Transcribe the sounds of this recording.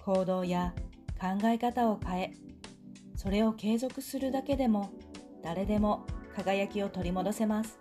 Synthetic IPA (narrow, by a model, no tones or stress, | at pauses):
kʰo̞ːd̪o̞ːja | kãŋɡaekat̪ao̞kae̞ | so̞ɾe̞o̞ke̞ːzo̞kɯ̟sɨɾɯ̟d̪ake̞d̪e̞mo̞ | d̪̥aɾe̞d̪e̞mo̞kaɡajakʲio̞t̪o̞ɾʲimo̞d̪o̞se̞masɨ̥